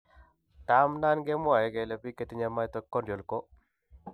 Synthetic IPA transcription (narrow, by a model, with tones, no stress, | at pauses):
ta˦mna˦nɡe˦mwa˨jɛ˨˦ɡɛ˨le˨˦pi˦ke˦t̪i˦ɲa˦ma˦jt̪ɔ˦kːɔ˦do˨lko˦